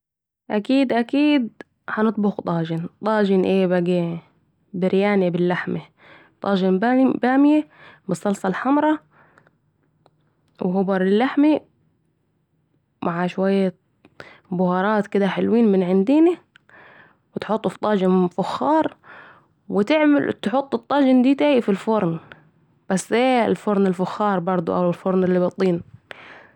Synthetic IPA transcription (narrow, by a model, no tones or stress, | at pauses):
ʔakiːd̪ʔakiːd̪ | ħanɨt̪̚ˤbʊxt̪ˤɑːd͡ʒɪnt̪ˤɑːd͡ʒɪnʔeːbaɡi | bɪɾjaːnibɪlːaħma | t̪ˤɑ̰ːd͡ʒɪnbbaːmjebɨsˤːɑlsˤɑlħamɾˤɑ | whʊbɑɾˤɪlːaħmi | mʔaʕaʃwajːa | bʊhɑɾˤɑːt̪kɪd̪aħɪlwiːnmɪnʕɪnd̪iːni | wɪt̪ħʊt̪ˤːft̪ˤːɑːd͡ʒɪnfʊxːɑːɾˤ | wɪt̪ɪʕmɪlt̪ħʊt̪ˤːɨt̪ˤːɑːd͡ʒɪnd̪iːt̪aːjifilfʊɾˤn | b̥asːʔeːɪlfʊɾˤnɪlfʊxːɑːɾˤbɑɾˤd̪ˤṵʔawɪlfʊɾˤnɪlːibɑt̪ˤːiːn